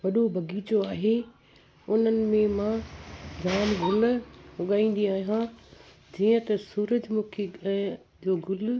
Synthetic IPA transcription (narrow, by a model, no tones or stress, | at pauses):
ʋɐɗobʱɐɡiːt͡ɕoaːɦe | ʊn̤ənɪ̆mẽmãd͡ʑʱaːnɡʱʊlʊɠaːĩːn̆d̪iaːɦijɦã | d͡ʑiːə̃t̪ɐsuːɾəd͡ʑmũːkʰe | d͡ʑoːɡʱʊl